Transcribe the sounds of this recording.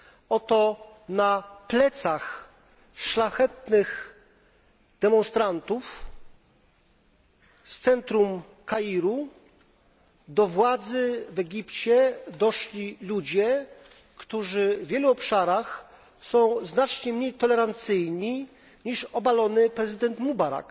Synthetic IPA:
ɔt̪ɔ | naplɛt̪sax | ʂlaxɛt̪nɘx | d̪ɛmɔ̃nst̪ɾant̪uf | st̪sɛnt̪ɾum | kaiɾu | d̪ɔvwad̪zɘvɛɡʲipt͡ɕɛd̪ɔʂlʲilud͡ʑɛ | kt̪uʐɘvʲjɛluɔpʂaɾax | sɔ̃w̃znat͡ʂɲɛmɲejt̪ɔlɛɾant̪sɘjɲi | ɲiʂɔbalɔnɘpɾɛzɘd̪ɛnt̪mubaɾa̰k

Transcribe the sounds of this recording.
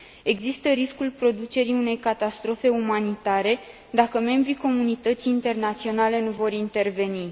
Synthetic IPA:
e̞ɡzist̪əɾiskulpɾo̞d̪ut͡ʃe̞ɾiune̞jkat̪ast̪ɾo̞fe̞umanit̪aɾe̞ | d̪akəme̞mbɾiko̞munit̪ət̪siːnt̪e̞rnat̪sio̞nale̞nuvo̞ɾint̪e̞rve̞ni

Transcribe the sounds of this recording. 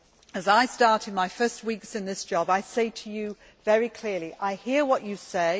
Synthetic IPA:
əzaɪstɑɹɾɨ̃dmaɪfɜ˞st̚wiˑksɨ̃nðɪsd̥ʒ̥ɒbaɪseɪtʰɨjɨ | vɛɹikʰl̥ɪɹliʔaɪhiəɹwʌt͡ʃɨseɪ

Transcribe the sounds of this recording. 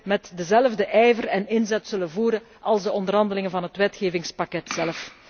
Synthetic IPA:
mɛtdəzɛləvdəʔɛjvərɛnɪnzɛtsɵlənvuːɾə | ɑlˠzdəɔndərɦɑndəlɪŋənvɑnɦətʋɛtxeːvɪŋspɑkɛtsɛlf

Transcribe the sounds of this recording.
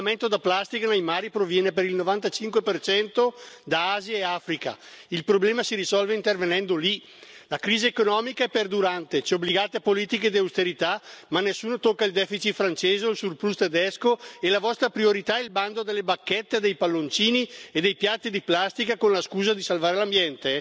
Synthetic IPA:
ament̪od̪aplast̪ikanejmaːɾipɾovjɛːnepeɾilnovant̪at͡ʃiŋkwepert͡ʃɛnt̪od̪aaːziaeafɾika̰ilpɾoblɛːmasiɾisɔlveint̪ervenɛnd̪oli | lakɾiːziekonɔːmikaɛpːerd̪uɾant̪et͡ʃɛobliɡaːt̪epoliːt̪iked̪iawst̪eɾit̪amanːesːuːnot̪okːaild̪ɛːfit͡ʃit̪fɾant͡ʃeːzoilsurpɾust̪ed̪ɛskoelavɔst̪ɾapɾioɾit̪aɛilband̪od̪elːebakːɛt̪ːed̪ejpalːont͡ʃiːnied̪ejpjat̪ːid̪iplast̪ikakonlaskuːzad̪isalvaːɾelambjɛnt̪e

